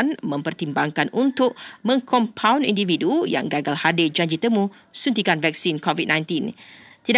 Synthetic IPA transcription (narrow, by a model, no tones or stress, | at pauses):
nmə̃mpərt̪imbaŋkanʔunt̪ʊʔ̚mə̃ŋkʰɔmpʰawnḭndividuja̰ŋɡaɡalhaded͡ʒaɲd͡ʒit̪əmũ | sunt̪̬ikanvɛk̚sinkɔvid̚nãjnt̪int̪ida